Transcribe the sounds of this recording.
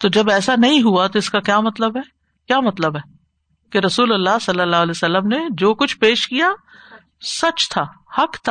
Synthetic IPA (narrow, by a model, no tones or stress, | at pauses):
t̪od͡ʒɐbɛːsanɐɦĩɦuat̪oɪskakjaːmɐt̪ləbɦɛː | kjaːmɐt̪ləbɦɛː | keɾɐsuːlɐlːaːsɐlːəlːaːɦəlɛːsɐlːəmned͡ʒoːkʊt͡ʃʰpeːʃkija | sɐt͡ʃt̪ʰaːhɐkt̪ʰa